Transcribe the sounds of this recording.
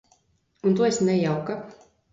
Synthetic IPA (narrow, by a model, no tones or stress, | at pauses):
unt̪uɔesnɛjawka